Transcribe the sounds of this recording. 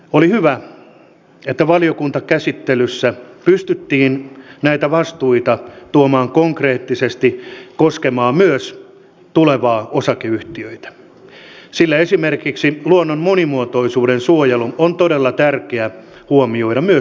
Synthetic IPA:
olihyʋæ | et̪ːæʋɑliokunt̪ɑkæsit̪ːelysːæpyst̪yt̪ːiːnnæit̪æʋɑst̪uit̪ɑt̪uomɑːŋkoŋkreːt̪ːisest̪ikoskemɑːmyøs | t̪uleʋɑːosɑkeyht̪iøit̪æ̥ | silːæesimerkiksiluonːommonimuot̪oisuːdensuojɑluont̪odelːɑt̪ærkeæ | huomioidɑmyø

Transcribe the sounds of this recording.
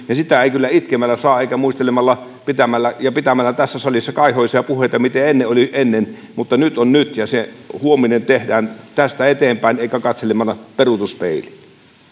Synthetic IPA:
jɑsit̪æeˑikylːæit̪kemːælːæsɑːeˑikæmuist̪elemɑlːɑ | pit̪æmælːæjɑpit̪æmælːæt̪æsːæsɑlisːɑkɑˑihoˑisiɑpuhˑeˑit̪ɑmit̪eenːeʔʔoliʔenːen | mut̪ːɑnyt̪onnyt̪jɑsehuominent̪ehdæːnt̪æst̪æet̪eːmpæˑineˑikækɑt̪selemɑlːɑperut̪uspḛˑili

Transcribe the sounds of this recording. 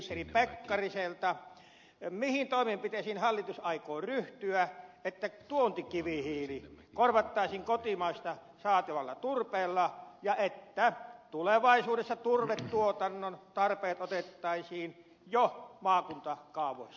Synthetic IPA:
seripekːɑriselt̪ɑ | mihint̪oˑimempit̪esiːnhɑlːit̪usɑikoːryht̪yæet̪ːæt̪uont̪ikiʋihiːli | korʋɑt̪ːɑˑisiːŋkot̪imɑist̪ɑ | sɑːt̪iʋɑlːɑ̰t̪urpeːlːɑjɑet̪ːæt̪uleʋɑˑisuːdesːɑt̪urʋet̪t̪uot̪ɑnːont̪ɑrpeːt̪ot̪et̪ːɑisiːn | jomɑːkunt̪ɑkɑˑuʋˑos

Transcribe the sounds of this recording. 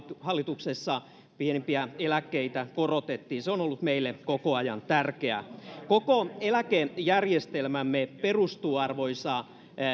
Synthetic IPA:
hɑlːit̪uksesːɑ | pienimpiæelækːeit̪ækorot̪et̪ːiːnseonolːut̪meilːekokoɑjɑ̰nt̪ærkeæ̰kokoelækejærjest̪elmæmːeperust̪uːɑrʋoisɑ

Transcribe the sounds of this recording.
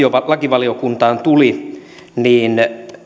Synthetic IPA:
oɑlɑkiʋɑliokunt̪ɑːnt̪uli | niːn

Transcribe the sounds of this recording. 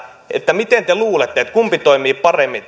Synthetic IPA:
ḛt̪ːæmit̪ent̪eluːlet̪ːeet̪kumpit̪oimiːppɑremːi

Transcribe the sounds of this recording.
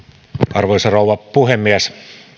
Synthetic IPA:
ɑrʋojsɑrouwʋɑpuhemːiæs

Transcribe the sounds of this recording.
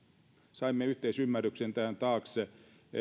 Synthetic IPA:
sɑimːeyht̪eisymːærːyksent̪æhænt̪ɑːkse

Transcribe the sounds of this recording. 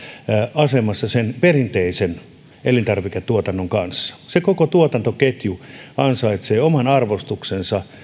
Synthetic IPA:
ɑsemɑsːɑsenperint̪eisen | ʔelint̪ɑrʋiket̪ːuot̪ɑnːoŋkɑnsːɑ̥sekokot̪uot̪ɑnt̪oket̪juɑnsɑit̪seːomɑnɑrʋost̪uksensɑ

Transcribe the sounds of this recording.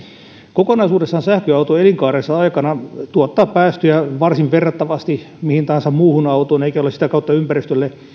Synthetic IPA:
kokonɑisuːdesːɑnsæhkøɑut̪oeliŋkɑːresːɑɑikɑnɑt̪uot̪ːɑːppæːst̪øjæʋɑrsiʋʋerːɑt̪ːɑʋɑst̪i | mihint̪ɑhɑnsɑmmuːhunɑut̪oːneikæolesit̪ækɑut̪ːɑympærist̪ølːe

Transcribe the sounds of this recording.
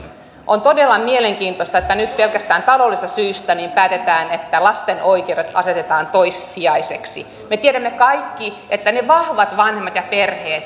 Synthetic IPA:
ʔont̪odelːɑmieleŋkiːnt̪ost̪ɑet̪ːænyt̪pelkæst̪æːnt̪ɑlolːist̪ɑsyːst̪æniːmpæːt̪et̪æːnet̪ːælɑst̪enoikeuɾet̪ɑset̪et̪ɑːnt̪oisːiɑiseksḭ | met̪ieɾæmːekɑikːi | et̪ːæneʋɑhʋɑt̪ʋɑnhemːɑt̪jɑperheːt̪

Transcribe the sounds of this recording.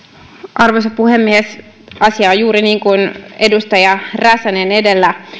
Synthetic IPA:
ʔɑrʋos̬ɑpuhemːies | ɑsiɑojjuːɾiniːŋkunedust̪ɑjɑræsænene̞delːæ

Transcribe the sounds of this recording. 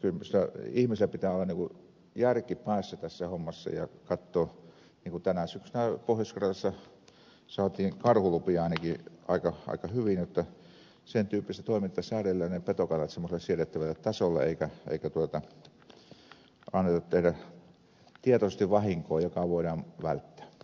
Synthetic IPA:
kylsilːæihmiselæpit̪æːˑolːɑniːŋku | jærkipæˑːsːæt̪æsːæhomːɑsːɑ̰jɑ̰kɑt̪ːoː | niːŋkut̪ænæsyksynæpohjoskɑrɑɑsːɑ | sɑːt̪iːŋkɑrhulupiɑˑinɑkiʔɑ̰ˑikɑɑ̰ˑikɑhyʋinjot̪ːɑ | sent̪yːpːˑist̪t̪oˑimint̪ːɑsæːrelːænepet̪okɑnːɑt̪semːoselːɑsieret̪ːæʋælːæt̪ɑsolːɑ̰ḛˑikæḛˑikæt̪uot̪ɑ | ɑnːet̪ɑt̪t̪ehɾæ | t̪iet̪osest̪iʋʋɑhiŋkoːjokɑʋoˑiɾɑːnʋæ̰lt̪ːæ̥ː

